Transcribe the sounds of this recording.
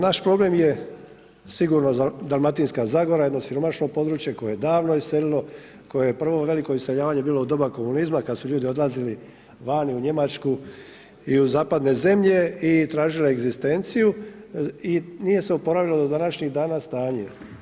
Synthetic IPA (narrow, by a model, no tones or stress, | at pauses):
naʃpɾo̞ble̞mje̞ | siɡuːɾnod̪almat̪inskazaːɡo̞ɾajed̪no̞siɾo̞maʃno̞po̞d̪ɾuːt͡ʃje̞ko̞jejed̪aːʋno̞isse̞lilo̞ | ko̞jejepr̩ʋo̞ʋe̞liko̞ise̞ʎaːʋaɲe̞biːloud̪o̞bako̞munizmakad̪suʎuːd̪io̞d̪lˠazili | ʋaːniuɲe̞mat͡ʃku | iuzaːpad̪ne̞ze̞mʎe̞it̪ɾaːʒiloeɡzist̪e̞nt̪siju | inije̞seupo̞ɾaʋilod̪od̪anaʃɲiɣd̪aːnast̪aːɲe